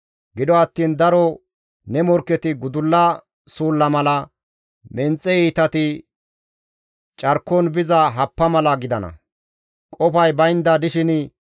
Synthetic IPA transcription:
ɡɪd̪ɔɐt̪ːiːnd̪ɐɾɔ | nɛmɔɾkːɛt̪ɪɡʊd̪ʊlːɐ | suːlːɐmɐlɐ | mɛnt͡sʼːɛiːt̪ɐt̪ɪ | t͡ʃʼɐɾkːɔnbɪzɐɦɐpːɐmɐlɐɡɪd̪ɐnɐ̰ | kʼɔfɐjbɐjɪnd̪ɐd̪ɪʃɪn

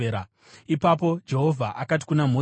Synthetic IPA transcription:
ɾa | ipap̬o̞d͡ʒe̞ɦo̞vʱaʔakat̬i̥kunam̤o

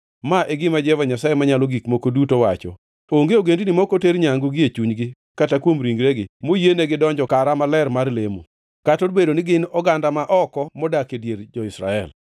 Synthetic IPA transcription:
maʔeɡɪmad͡ʒɛvaɲasajemaɲaloɡikmokodutowat͡ʃɔ̰ | oŋɡeoɡendinimokoteɾɲaŋɡuɡɪet͡ʃuɲɡɪ | katakwomɾiŋɡɾeɡɪmojeneɡɪdɔɲd͡ʒɔkaɾamalɛrmarlemo̰ | katoɾbedonɪɡɪnɔɡandamaʔɔkɔmɔdakedjeɾd͡ʒɔɪsɾa̰ɛ̰l

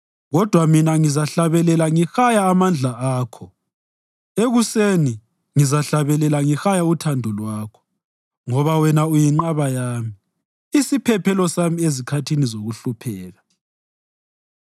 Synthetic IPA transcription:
ɣɔd̥ʱwaminaŋizaɬaβɛlɛlaŋixajaːmand͡ɮʱaʔaːkʰɔ | eɣuseni | ŋizaɬaβɛlɛlaŋixajautʰandʱɔlwaːkʰɔ̥ | ŋɔβawɛnaujiŋ͡ǃaβajaːmi | isipʰɛpʰɛlɔsamiezikʰatʰinizoɣuɬupʰɛːɣa

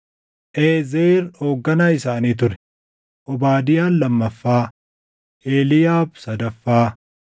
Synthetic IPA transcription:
ʔeːzeːɾo̞ːɡːɐnaːɪsaːniːt̪̬ʊɾɛ̥ | ʔɔbaːd̪ɪjaːnlɐmːɐfːaː | ʔeːlɪjaːbsɐd̪ɐfːaː

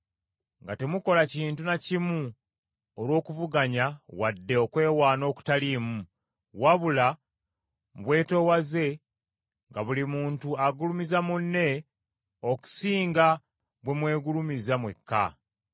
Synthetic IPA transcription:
ŋɡate̞muko̞laciːntunacimu | olwo̞ːkuvuɡaɲawadːe̞okwe̞ːwaːno̞ːku̥talimu | waβula | mβwe̞ːto̞waze̞ | ŋɡaβulimuːntuaɡulumizamunːe̞ | oku̥siːŋɡa | βwe̞mwe̞ːɡulumizamwe̞̰kːa̰

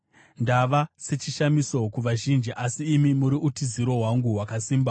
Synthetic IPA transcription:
ndaʋase̞t͡ʃiʃamiso̞kuʋaʒind͡ʒiʔasiːmimuɾiʔutiziɾo̞ɦwaŋɡuɦwakasiːmba

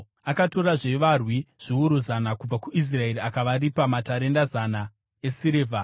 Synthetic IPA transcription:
akato̞ɾaʐe̞ʋarwiʐ̥iuɾuzanakub͡vakuʔis̬rae̞ɾiakaʋaɾipamataɾe̞ndazana | e̞siɾeːvʱa

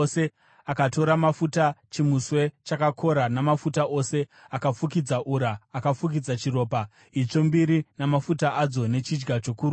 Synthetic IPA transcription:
se̞ | akato̞ɾamafutat͡ʃimuswe̞t͡ʃakakʰo̞ɾanamafutaʔo̞se̞ | akafukid͡zaʔuɾaːkafuk̬id͡zat͡ʃiro̞ːpa | it͡ʂo̞mbiɾinamafutaʔad͡zo̞ne̞t͡ʃid͡ʒɡat͡ʃo̞kuːɾ

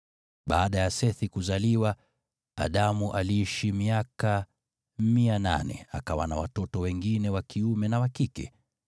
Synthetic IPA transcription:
ɓaːɗajasɛθikuzaliwa | a̰ɗamuʔaliiʃimiaka | miana̰nɛ̰a̰kawana̰wa̰tɔtɔwɛŋɡinɛwakiumɛnawakikɛ̰

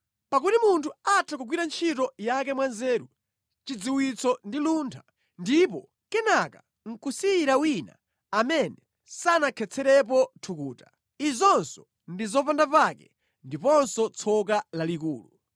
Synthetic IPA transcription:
pakutimuntʰuatʰakuɡwiɾant͡ʃʰitɔjak̬ɛmwanzɛːɾu | t͡ʃid͡ziwit͡sɔndiluntʰa | ndipɔ | kɛnaka | ŋ̩kusiɾawina̰ | amɛnɛ | sanakʰɛt͡sʰɛɾɛp̬ɔtʰukuːta | izɔnsɔ̥ | ndizɔpandapakɛ | ndipɔnsɔt͡sʰɔkalalikuːlu

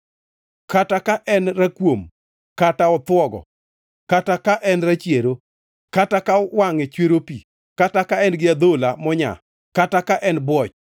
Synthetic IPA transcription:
katakaʔɛnrakwom | kataɔt̪wɔɡɔ̰ | katakaʔɛnrat͡ʃjeɾo | katakawaŋet͡ʃweɾopi | katakaɛnɡɪad̪olamɔɲa̰ | katakaʔɛnbwɔt͡ʃ

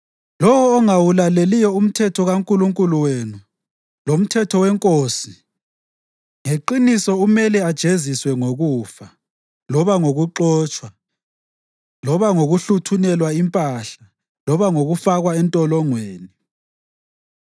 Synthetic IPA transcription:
lɔwɔːŋawulalelijɔum̩tʰɛtʰɔɣaŋkʼuluŋkʼuluwenu | lom̩tʰɛtʰɔwɛŋkʼoːsi | ŋeǃinisɔumɛlɛad̥ʒ̥ʱeziswɛŋoɣuːfa | lɔβaŋoɣuǁɔːt͡ʃʼwa | lɔβaŋoɣuɬutʰunɛlwaimpʼaɬa | lɔβaŋoɣufaɣwaɛntʼɔlɔŋweːni

